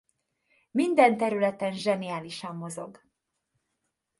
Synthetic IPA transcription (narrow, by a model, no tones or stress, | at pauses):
mind̪ɛnt̪ɛɾylɛt̪ɛnʒɛnijaːliʃɒmːo̞zo̞ɡ